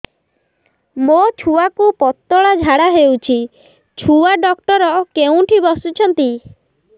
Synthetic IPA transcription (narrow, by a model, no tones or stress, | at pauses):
mot͡ʃʰuakupɔt̪ːɔɭad͡ʒʱaɽaɦewt͡ʃʰi | t͡ʃʰuaɖɔkʈɔɾɔkeũʈʰibɔsut͡ʃʰɔnt̪i